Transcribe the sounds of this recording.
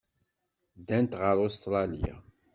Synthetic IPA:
d̪ænt̪ʁəɾost̪ɾˤɑlḭja̰

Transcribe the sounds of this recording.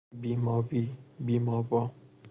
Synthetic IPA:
bimɔ̃bibimɔ̃bɔ

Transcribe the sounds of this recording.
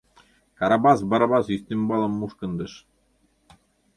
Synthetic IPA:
kɑɾɑbɑs̬bɑɾɑbɑsyθt̪ɘmbɑlˠɤmːuʃkɤ̆nd̪ɤʃ

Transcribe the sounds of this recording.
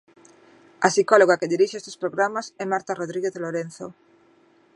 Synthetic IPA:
ɐsikoloɣakeðiɾiʃeest̪espɾoɣɾamasɛmaɾt̪aroðɾiɣeðeloɾen̟θo̰

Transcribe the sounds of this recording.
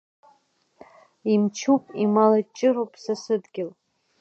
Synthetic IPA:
imt͡ʃʰupʼimalat͡ʃʼɪɾowpʼsasɨdɡʲɪl

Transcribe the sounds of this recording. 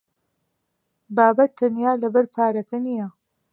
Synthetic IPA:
baːbɐt̪ʰːɐnjaːlɐbɐɾpʰaːɾɐkʰɐnijɐ

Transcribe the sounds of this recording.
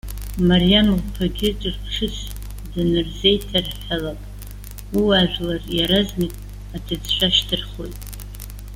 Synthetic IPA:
marijamlpʰaɡʲɪt͡ʃʷʼɨrpʰʂɨs | dɨnɨrze̞jtʰarħalakʼ | iwaʒᶣlarjaɾaznɨkʼ | atʰɨd͡zʃʷʰaʃtʰɨrχo̞jtʼ

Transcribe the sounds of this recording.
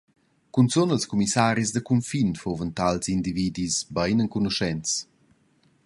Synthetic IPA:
kunt͡sonəlskumisaɾizd̪əkumfinfovənt̪alzind̪ivid̪isbajnəŋkunuʃɛnt͡s

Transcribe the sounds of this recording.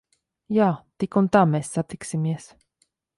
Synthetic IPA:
jaːt̪ikunt̪aːmesːat̪iksimiɛs

